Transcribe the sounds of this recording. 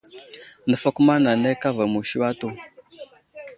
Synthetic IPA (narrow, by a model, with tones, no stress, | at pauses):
nə˨fa˦ku˦ma˦na˨ne˦ka˦va˨mu˨ʃi˦wa˦to˦˨